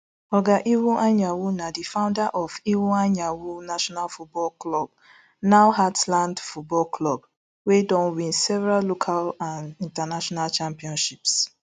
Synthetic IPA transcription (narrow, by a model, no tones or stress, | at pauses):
ɔɡaʔiwuʔaɲawunadifãʊ̃ndaʔɔviwuaɲawunaʃɔnalfut̚bɔlklɔb̚ | naʊɦatlãndfut̚bɔlklɔb | wedɔ̃nwĩnsɛvɛɾallokʰalãnĩntanaʃɔnalt͡ʃãmpiɔ̃nʃips